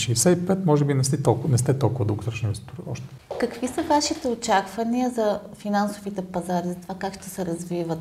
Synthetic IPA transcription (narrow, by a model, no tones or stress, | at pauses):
ʃɛːsɛipɛt̪mɔʒɛbinɛst̪ɛt̪olˠknɛst̪ɛt̪olˠkʊvəd̪uɡot̪ɾot͡ʃninvɛsit̪uɾiɔʃt̪ɛ̥ | kɐkvisəvaʃit̪ɛot͡ʃakvɐniəzɐ | finansovit̪ɛpɐzaɾizɐt̪ovakakʃt̪ɛsɛɾɐzvivət̪